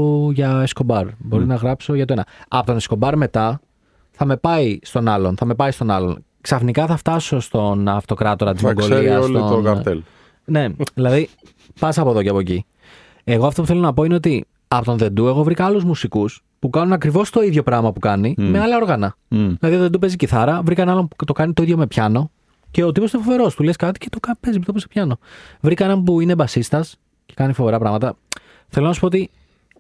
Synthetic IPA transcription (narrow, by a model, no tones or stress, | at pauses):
ʝɐesko̞bɐɾbo̞ɾinɐɣɾɐpso̞ʝɐt̪oe̞nɐɐpo̞t̪one̞sko̞bɐɾme̞t̪ɐ | θɐme̞pɐist̪o̞nɐlo̞nθɐme̞pɐist̪o̞nɐlo̞̰n | ksɐfnikɐθɐft̪ɐso̞st̪o̞nɐft̪o̞kɾɐt̪o̞ɾɐt̪izoɡoliɐsokɐt̪el | ne̞ðilɐði | pɐs̬ɐpoðo̞ceɐpo̞eci | e̞ɣoɐft̪opuθelo̞nɐpo̞ine̞o̞t̪i | ɐpo̞t̪o̞nðe̞nd̪ue̞ɣo̞vɾikɐɐluzmusikus | pukɐnunɐkɾivo̞st̪o̞iðʝo̞pɾɐɣmɐpukɐnimeɐlɐo̞ɾɣɐnɐ | ðilɐðitoðed̪upe̞ziciθɐɾɐvɾikɐnɐnɐmut̪o̞kɐnit̪o̞iðʝo̞me̞pçɐno̞ | ce̞ot̪ipost̪ofo̞ve̞ɾo̞st̪uleskɐt̪i̥cet̪okɐpezmpit̪p̬osepçɐno̞vɾikɐenɐmpuinebɐsist̪ɐs | ce̞kɐnifo̞ve̞ɾɐpɾɐɣmɐt̪ɐ | θelo̞nɐsu̥poot̪i